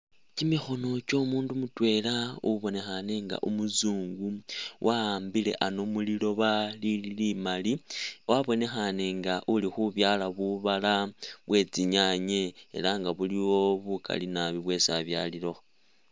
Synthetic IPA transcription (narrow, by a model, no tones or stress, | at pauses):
cimixo̞no̞t͡ʃo̞muːndumutwe̞lauβo̞ne̞xane̞ŋɡa̰ʔumuzuːŋɡuwʔambile̞̰ʔano̞mulilo̞βalililimaliwʔaβo̞ne̞xane̞ŋɡaʔulixuβjaːlaβuβalaβwe̞t͡siɲaɲe̞̰ːlaŋɡaβuliwo̞βukʰa̰linaβiβwe̞sa̰βja̰lilo̞x